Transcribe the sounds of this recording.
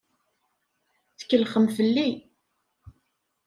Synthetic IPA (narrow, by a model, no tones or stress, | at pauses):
θə̥kːəlχəmfəlːi